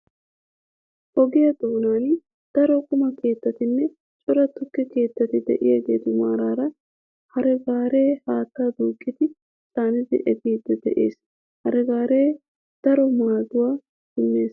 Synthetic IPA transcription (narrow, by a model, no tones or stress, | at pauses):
ʔɔɡɪjɐd̪oːnaːn | d̪̥ɐɾɔkʊmɐke̞ːt̪ːɐt̪ɪnːɛ | t͡ʃʼʊɾɐt̪ːʊkːɪke̞ːt̪ːɐt̪ɪd̪ɛ̰ʔɪjɛɡeːt̪ʊmaːɾaːɾɐ | hɐɾɛɡaːɾe̞ːhaːt̪ːaːd̪uːkʼːɪt̪ɪ | saːnɪzɪ̰ʔɛd̪iːd̪ːɛd̪ɛ̰ʔḛːs | hɐɾɛɡaːɾeː | d̪̥ɐɾɔmaːzʊwaː | sɪnːe̞ːs